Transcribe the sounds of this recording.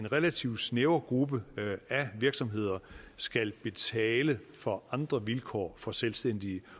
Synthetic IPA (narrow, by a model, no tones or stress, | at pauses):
enʁelæt͡sʰiʊ̰sneʊɐɡ̥ʁubəæʋiɐɡ̥sɒ̽mɦe̝ð̞̰ˠɐsɡ̥ælb̥e̝t͡sʰɛːləfɒ̽ɑ̈nd̥ʁɐʋilkʰɒ̰ːfɒ̽selsd̥en̰d̥iə